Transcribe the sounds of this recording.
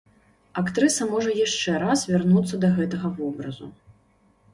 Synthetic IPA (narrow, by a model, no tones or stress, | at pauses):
akt̪ɾɨsɐmɔʐɐjaʂt͡ʂɛɾasvʲarnut̪sːɐd̪ɐɣɛt̪ɐɣɐvɔbɾɐzṵ